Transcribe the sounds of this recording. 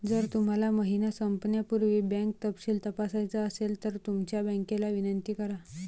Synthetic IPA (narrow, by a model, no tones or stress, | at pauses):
d͡zəɾt̪um̤alaməɦinasəmpnjapuɾʋiːbɛ̃ŋk̚t̪əpɕiːlt̪əpasajt͡səəselt̪əɾt̪umt͡ɕjabɛ̃ŋkelaʋinənt̪iːkəɾa